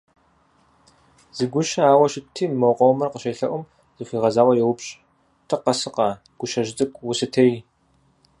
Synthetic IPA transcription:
z̥ɨɡʷʊʃɐaːwɐʃɪtʰiːmɐwqʷʼɔwmɨrqəʃejɬɐ̰ʔʷʊm | z̥ɨxʷiːʁɐzaːwɐjɛwʊpɕʼ | tʰɨqɐsɨqʼɑ | ɡ̥ʷʊʃɐʒt͡sʼɨkʷʼwʊsɨtʰej

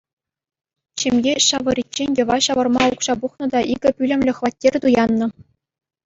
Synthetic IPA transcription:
t͡ɕemʲjeɕɑʋɤ̆rʲit͡ɕːenʲjɤ̆ʋɑɕɑʋɤ̆rmɑukʂɑbuχnɤ̆d̪ɑʔiɡʲɘ̆pʲylʲɘ̆mʲlʲɘ̆χʋɑt̚ʲːerʲt̪ujɑnːɤ̆

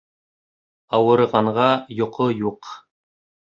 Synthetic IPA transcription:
ɑwɤ̆ɾʁɑɴʁɑjŏqʰojuq

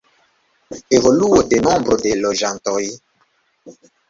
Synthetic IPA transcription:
evoluodenɔ̃mbɾodeloʒãntɔj

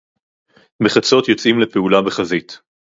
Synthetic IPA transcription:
beχat͡so̞t̪jo̞t͡sʔimlepeulabeχazit

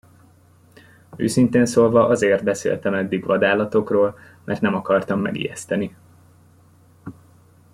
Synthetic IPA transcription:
ø̰ːsint̪eːnsoːlvɒʔɒzeːrt̪̚bɛsḛːlt̪ɛmɛd̪ːiɡʋɒd̪aːlɒt̪o̞kroːl | mʔɛ̰rt̪nɛmɒkɒrt̪ɒmːɛ̰ɡḭːjɛ̰st̪ɛni

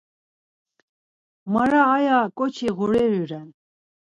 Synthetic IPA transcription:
maɾaːjakʼɔt͡ʃʰiɣuɾɛɾiɾɛn

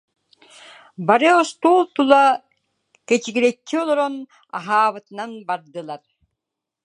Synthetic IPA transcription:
baɾɯɔst̪uːlˠt̪ulˠa | kɛt͡ɕiɡiɾɛkːiɔlˠɔɾɔn | a̰ɦaːβɯt̪ɯnanbaɾd̪ɯlˠaɾ

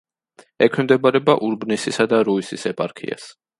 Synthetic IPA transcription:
ɛkʰwɛmd̪ɛbaɾɛbaʔuɾbnisisad̪aɾuisisɛpʼaɾkʰḭa̰s

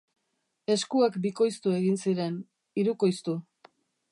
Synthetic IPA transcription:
e̞skuakbiko̞jst̪ue̞ɣinsiɾe̞n | iɾuko̞jst̪u

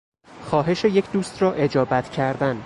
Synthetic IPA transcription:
xɒːɦe̞ʃejecʰd̪uːst̪rɒːʔe̞d͡ʒɒːbæt̪ʰcʰæɾd̪æn

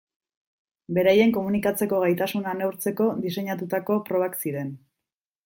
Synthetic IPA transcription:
be̞ɾajeŋko̞munikat͡se̞ko̞ɣajt̪asunanewɾt͡se̞ko̞d̪ise̞ɲat̪ut̪ako̞pɾo̞βaksiɾe̞n

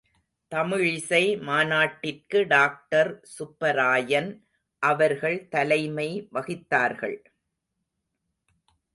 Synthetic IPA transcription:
t̪ɐmɪɻɪsɐɪmaːnaːʈːɪrkɯɖaːk̚ʈɐɾsʊpːɐɾaːjɐn | ʔɐʋɐɾɣɐɭt̪ɐlɐɪmɐɪʋɐɣɪt̪ːaːɾɣɐ̰ɭ

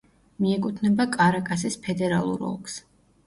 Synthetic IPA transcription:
miɛkʼut̪ʰnɛbakʼaɾakʼasispʰɛd̪ɛɾalˠṵɾɔ̰lˠks

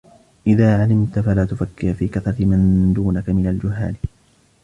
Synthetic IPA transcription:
ʔɪðaːʕalɪmt̪afalaːt̪ʊfakːɪhfiːkaθɾˤɑt̪ɪmand̪uːnakamɪnald͡ʒʊɦːa̰ːl

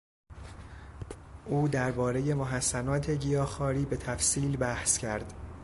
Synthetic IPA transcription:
ʔuːd̪æɾbɒːɾe̞je̞moɦæsːænɒːt̪ʰe̞ɟijɒːxɒːɾiːbe̞t̪ʰæfsiːlbæhscʰæɾd̪̥

